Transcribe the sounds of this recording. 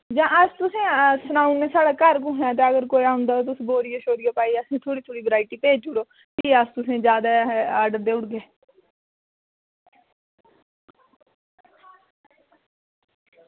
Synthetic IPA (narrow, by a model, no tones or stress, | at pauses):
d͡ʒãːəst̪ʊsẽːsənaːũnmẽːsaːɽaːkəɾkũɦɛ̃ːt̪̬eːəɡəɾkoːiaːɦʊ̃nd̪aːt̪̬ʊsboːɾiːaʃoːd̪ijaːpaːiəsẽːt̪ʰoːɽiːt̪ʰoːɽiːbəɾaːɪʈiːpeːd͡ʒd͡ʒʊɽoː | t̪iːəst̪ʊsẽːd͡ʒjaːd̪aːɛaːɖəɾd̪eːʊɽɡeː